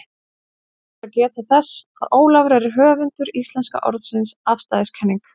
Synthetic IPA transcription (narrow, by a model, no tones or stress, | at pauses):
acɛːt̪aθɛsːa̰ðoːwlavɾɛɾɪɦœːvʏnt̪ʏɾist̪lɛnska̰ʔɔ̰ɾðsɪnsafst̪aðɪskʰɛnːiŋk